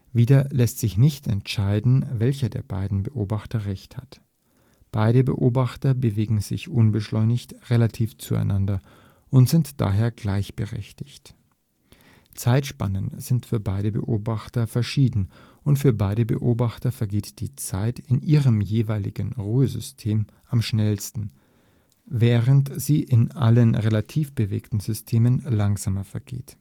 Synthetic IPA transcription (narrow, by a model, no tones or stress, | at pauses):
viːdɐlɛstz̥ɪçnɪçtɛntʃaɪdn̩vɛlçɐdḛːɐba̰ɪdn̩bəʔoːbaχtɐʁɛçthat | b̥aɪɾəbə̰ʔoːbaχtɐbəveːɡŋ̩zɪ̰çʔʊnbəʃlɔʏnɪçtʁelatʰiːft͡sua̰ɪnʔandɐ | ʔʊntz̥ɪntd̥a̰ːɦeːɐɡ̥laɪçb̥əʁɛ̰çtɪ̥çt | t͡saɪtʃpa̰nənz̥ɪntfyːɐbaɪɾəbə̰ʔoːbaχtɐfɛɐʃiːdn̩ | ʔʊntfyːɐbaɪɾəbə̰ʔoːbaχtɐfɛɐɡeːtd̥iːt͡saɪtɪnʔiːʁəmjeːvaɪlɪ̰ɡən̩ʁuːəzʏstʰeːm | ʔamʃnɛlstn̩ | vɛːʁəntz̥iːʔɪnʔa̰lənʁelatʰiːfb̥əvḛːktn̩zʏstʰeːmənlaŋzaːmɐfɛɐɡ̥ḛːt